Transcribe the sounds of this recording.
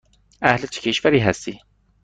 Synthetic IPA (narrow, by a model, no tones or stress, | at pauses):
æhlɨt͡ʃʰi̥kʰeʃvæɾiːɦɛst̪iː